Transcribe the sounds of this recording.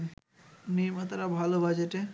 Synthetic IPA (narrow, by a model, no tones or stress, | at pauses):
nimat̪aɾabʱalobad͡ʑeʈe